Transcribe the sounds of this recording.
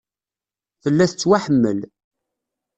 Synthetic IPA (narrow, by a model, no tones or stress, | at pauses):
θəlːæθət͡sːwaħəmːə̰l